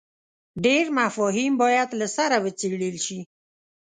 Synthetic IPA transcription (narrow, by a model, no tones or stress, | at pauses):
ɖeɾmafɔɦimbɔjad̪lasaɾawət͡seɽəlʃi